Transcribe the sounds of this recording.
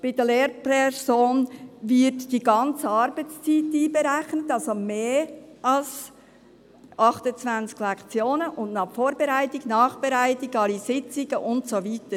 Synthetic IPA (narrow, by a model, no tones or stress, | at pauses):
b̥ɪdəleːɾpɛsoːnvɪtd̥iɡɑnt͡səɑɾbət͡st͡siːtiːbəɾɛxnətɑlsomeːʔɑls | ʔɑχtət͡svænt͡sɡ̥lɛkt͡sjoːnəʔʊndnɑχfoːɾbɛɾæɪtɪknɑːχb̥ɛɾæɪtɪɡɑlisɪt͡sɪɡ̥əʔʊntsoviːtə